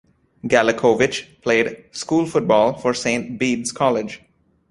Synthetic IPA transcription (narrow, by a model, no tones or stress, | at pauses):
ɡæləkʰoːʋɪt͡ʃpʰl̥eɪdskuːlˠfʊʈ̚bɔːlˠfɔɹsẽɪ̃nt̚biːdzkʰɔlɪd͡ʒ